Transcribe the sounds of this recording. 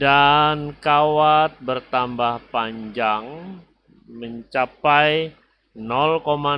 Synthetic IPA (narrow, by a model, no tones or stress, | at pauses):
dankawat̪̚bərt̪ambahpaɲd͡ʒaŋ | məɲt͡ʃapaj | nɔlkoma